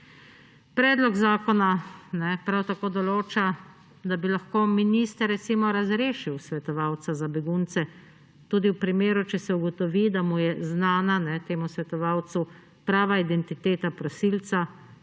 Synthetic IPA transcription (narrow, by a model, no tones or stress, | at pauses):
pɾɛːd̪lɔɡzaːkɔnanɛpɾawt̪akoːd̪ɔloːt͡ʃa | d̪abilaxkoːminist̪əɾːɛt̪simɔɾazɾeːʃiwsʋɛt̪ɔʋaːwt̪sazabɛɡunt̪sɛ | t̪uːd̪iwpɾimeːɾut͡ʃɛsɛuɡɔt̪ɔʋid̪amujɛznaːnanɛt̪eːmusʋɛt̪ɔʋaːwt̪su | pɾaːʋaid̪ɛnt̪it̪eːt̪apɾɔsilt̪sa